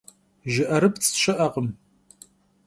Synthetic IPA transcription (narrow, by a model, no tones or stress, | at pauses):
ʒɪʔɐɾɨpt͡sʰʃɐʔɐqəm